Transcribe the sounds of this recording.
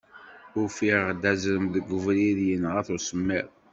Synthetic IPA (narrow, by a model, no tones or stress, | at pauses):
ʊɾfiʁd̪æzɾəmðəɡəvɾiðjənʁæθʊsəmːið